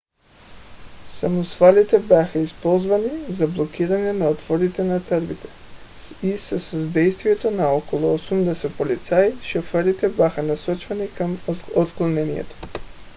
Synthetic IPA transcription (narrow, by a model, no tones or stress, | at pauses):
samusfalit̪ɛbjaxaispɔlˠzvanizablˠokiɾanɛnaɔt̪vɔɾit̪ɛnat̪əɾbit̪ɛ̥ | isəsəzd̪ɛjst̪vijɛt̪onaɔkolˠɔosumd̪ɛsɛt̪̚polit̪saiʃɔfɛɾit̪ɛbʲjaxanasɔt͡ʃvanikamot̪klˠlˠnɛnijɛ̰t̪o̥